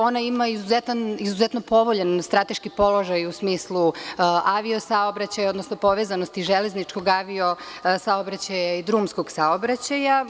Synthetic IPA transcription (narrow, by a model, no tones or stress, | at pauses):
o̞naimaizuzet̪anizuzet̪no̞po̞ʋoʎenst̪ɾat̪e̞ʃkipo̞loʒajusmiːslˠuʔaʋio̞saobɾat͡ɕajao̞d̪nosnopo̞ʋezanost̪iʒeleznit͡ʂko̞ɡaʋio̞saobɾat͡ɕajaid̪ɾuːmsko̞ɡsaobɾat͡ɕaja